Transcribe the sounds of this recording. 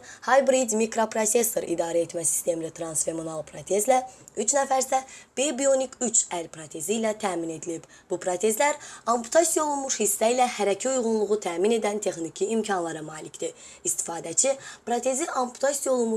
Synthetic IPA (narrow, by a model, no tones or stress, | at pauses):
hɑlbɾid̪mikɾopɾose̞sːoɾʔḭd̪ɑːɾæet̪mæsi̥st̪ʰe̞milit̪ʰɾɑnsfe̞monɑlˠpʰɾot̪ʰe̞zlæyt͡ʃnæfæɾsæb̥ebijo̞nikʰyt͡ʃʰælpɾot̪ʰe̞ziːlæt̪ʰæːmine̞d̪ilib | b̥upʰɾot̪ʰe̞zlæɾɑmpʰu̥t̪ʰɑsijo̞lˠunmuʃhisːæilæhæɾæcʰiujʁunlˠuʁut̪ʰæːmine̞d̪ænt̪ʰe̞xnicʰiːmcʰɑnlˠɑɾɯmɑːlicd̪i | ist̪ʰi̥fɑːd̪æt͡ʃʰipɾot̪ʰe̞ziʔɑmpʰu̥t̪ʰɑsijolˠumu